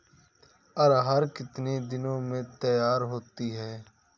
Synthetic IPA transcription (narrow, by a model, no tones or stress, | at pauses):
əɾɦəɾkɪt̪neːd̪ɪnõːmẽːt̪əjaːɾɦoːt̪iːɦɛː